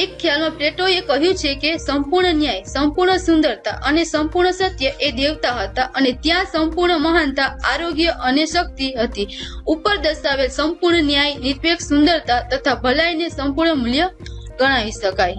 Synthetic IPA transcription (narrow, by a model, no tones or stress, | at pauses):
ekʰːjalmãpɾeʈoekəɦjũt͡ʃʰekesəmpuɾɳənjajsəmpuɾɳəsʊ̃nd̪əɾt̪a̰ʔənesəmpuɾɳəsət̪jəʔed̪eʋt̪aɦət̪aʔənet̪jãsəmpuɾɳəməɦant̪aaɾoɡjəʔəneʃək̚t̪iɦət̪iupəɾd̪əʃaʋelsəmpuɾɳənjajnit̪ʋeksund̪əɾt̪at̪ət̪ʰabʱəlajnesəmpuɾɳəmuljəɡəɽ̃aʋiʃəkaj